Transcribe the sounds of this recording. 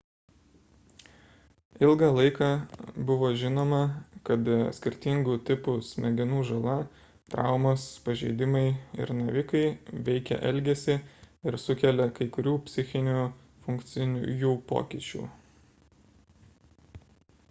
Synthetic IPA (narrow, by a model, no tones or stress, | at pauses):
ɪlˠɡɑlˠɐɪkɑːbʊʋoːʒʲɪnoːmɐkɐt̪sʲkʲɪɾʲt̪ʲɪŋɡuːt̪ʲɪpʊsʲmʲɛɡʲɪnuːʒɐlˠɐ | t̪ɾɑ̰ˑʊmoːspɐʒʲɛ̰ɪd̪ʲɪmɐɪɪ̰ɾnɐʋʲɪkɐɪʋʲɛɪkʲɛ̰ʔɛlʲɡʲɛsʲɪɪɾsʊkʲɛlʲɛkɐɪkʊɾʲuːpʲsʲɪxʲɪnʲuː | fʊŋkt̪sʲɪnʲuːjuːpo̰ːkʲɪt͡ʃʲṵː